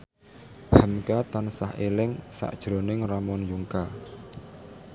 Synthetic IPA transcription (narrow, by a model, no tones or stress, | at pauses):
həmkat̪ansahelɪŋsa̰ʔd̥ʒ̥ɾonɪŋramɔnjuŋka